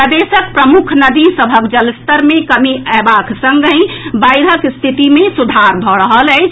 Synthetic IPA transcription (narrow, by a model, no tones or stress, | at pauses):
əd̪esək̚pɾəmukʰnəd̪isəbʱəkd͡ʒəlst̪əɾmẽkəmiəbakʰsə̃ŋɡə̃ĩbajɾɦəkst̪ʰit̪imẽsud̪ʱaɾbʱɔɽəɦələɪt͡ʃʰ